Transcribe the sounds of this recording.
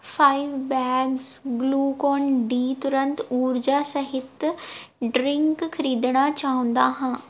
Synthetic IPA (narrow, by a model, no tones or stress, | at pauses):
fʰaːɪʋbɛːɡzɡluːkɔːnɖiːt̪ʊɾə̃nt̪uːɾd͡ʒaːsɐɦɪt̪ | ɖɾɪŋkkʰɐɾiːd̪ɽ̃at͡ʃaːɦʊ̃nd̪aːɦãː